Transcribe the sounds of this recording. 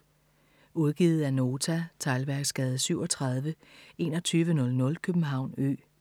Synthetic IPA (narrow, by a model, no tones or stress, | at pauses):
uðˠɡ̥iːð̞̩ˠæno̝ːt͡sʰæt͡sʰɑ̈ɪlʋæɐɡ̥sɡ̥ɛːð̞̩ˠsyʊɒ̽t͡sʰʁɑ̈ð̞ˠʋə | e̝ːnɒ̽t͡sʰyːʋənɔ̽lnɔ̽lkʰøb̥m̩ɦɑ̈ʊ̰nø̰ː